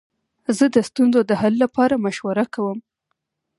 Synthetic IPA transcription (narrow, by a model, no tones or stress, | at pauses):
zəd̪əst̪unzod̪əhalːapɑɾamaʃwaɾakawəm